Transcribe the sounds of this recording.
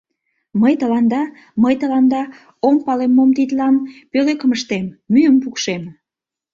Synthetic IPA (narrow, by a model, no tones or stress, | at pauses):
məjt̪əlɑnd̪ɑ | məjt̪əlɑnd̪ɑ | ompɑlemːomt̪it̪lɑnpølekəməʃt̪emːyjəmpukʃem